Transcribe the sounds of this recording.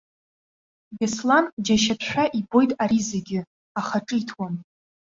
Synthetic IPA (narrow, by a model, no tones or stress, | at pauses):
ɡesland͡ʒaʃapʰʃʷᶣaʔibo̞jtʼaɾizeɡʲɪ | aχaʈ͡ʂʼɨitʰwam